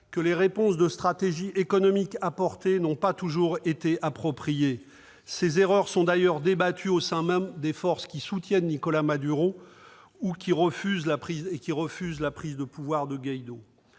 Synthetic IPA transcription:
kəleʁepɔ̃sd̪əst̪χat̪eʒiʔekɔnɔmikapɔʁt̪enɔ̃pat̪uʒuʁet̪eʔapχɔpχije | sezeʁœʁsɔ̃d̪ajœʁd̪ebat̪ʰyosɛ̃mɛmd̪efɔʁskʲisut̪jɛnːikɔlamad̪yʁo | ukʲiʁəfyzlapχizekʲiʁəfyzlapχizd̪əpuvwaʁd̪əɡʲajd̪o

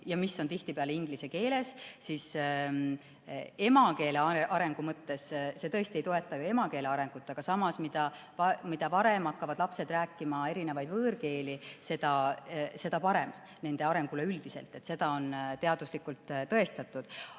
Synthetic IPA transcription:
jɑmisːo̞nt̪iht̪ipeɑleiŋɡlise̞ke̞ːle̞ssis | e̞mɑke̞ːleɑeʔɑɾe̞ŋɡ̥umɤt̪ːe̞sse̞t̪ɤ̞est̪ie̞jt̪o̞e̞t̪ˑːɑjue̞mɑke̞ːle̞ɑɾe̞ŋɡ̥ut̪ˑːɑɡ̥ɑsɑmɑsmid̪̥ɑpɑmid̪̥ɑpɑɾe̞mɑkːɑvɑd̪̥lɑpse̞d̪̥ræːkːimɑe̞ɾine̞vɑjd̪vɤːɾke̞ːlise̞d̪̥ɑse̞d̪ɑpɑɾe̞m | ne̞nd̪e̞ɑɾe̞ŋɡ̥ule̞yld̪̥ise̞̰lt̪ˑe̞t̪ːse̞d̪̥ɑo̞nt̪e̞ɑd̪uslikult̪t̪ɤe̞st̪ɑt̪ːˑud̪̥

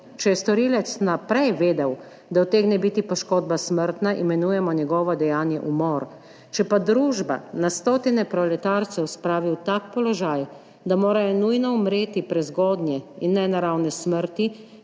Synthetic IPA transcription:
t͡ʃɛjɛst̪ɔɾiːlɛt̪snapɾɛjʋeːd̪ɛw | d̪awt̪eɡnɛbit̪ipɔʃkoːd̪̚basməɾt̪naʔimɛnuːjɛmɔɲjɛɡɔːʋɔd̪ɛjaːnjɛʔumɔɾ | t͡ʃɛpad̪ɾuːʒba̰nast̪oːt̪inɛpɾɔlɛt̪aɾt̪sɛwspɾaːʋiwt̪akpɔlɔʒaːj | d̪amoːɾajɔnujnɔumɾeːt̪ipɾɛzɡɔːd̪nʲjɛinːɛnaɾawnɛsməɾt̪i

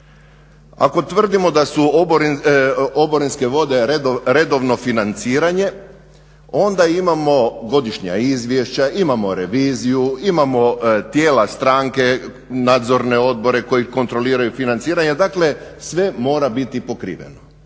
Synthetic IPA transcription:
a̰ko̞t̪ʋr̩d̪imo̞d̪asuboɾinoboɾinske̞ʋo̞d̪e̞ɾe̞d̪oʋno̞finant̪siːɾaɲe̞ | o̞nd̪aimamo̞ɡo̞d̪iʃɲa̰izʋje̞ʃt͡ɕaimamo̞ɾeʋiːzijuimamo̞t̪jeːlast̪ɾaːŋke̞ | naːd̪zo̞ɾne̞o̞d̪̚bo̞ɾe̞ko̞jikont̪ɾo̞liːɾajufinant̪siːɾaɲed̪akle̞sʋe̞mo̞ːɾabit̪ipo̞kɾḭːʋḛno

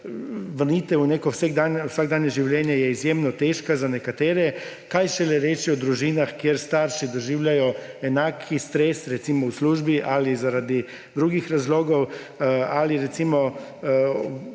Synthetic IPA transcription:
ʋəɾniːt̪ɛuneːkɔwseɡd̪anusaɡ̚d̪aːnjɛʒiwljɛnjajɛizjeːmnɔt̪eːʃkazanɛkat̪eːɾɛ | kajʒɛlɛɾeːt͡ʃiɔd̪ɾuʒiːnaxkjeɾst̪aːɾʃid̪ɔʒiːwlʲjajɔɛnaːkʰist̪ɾesɾɛt̪siːmɔusluːʒbiʔalizaɾaːd̪i | d̪ɾuːɡixɾazloːɡɔw | aliɾɛt̪siːmɔ

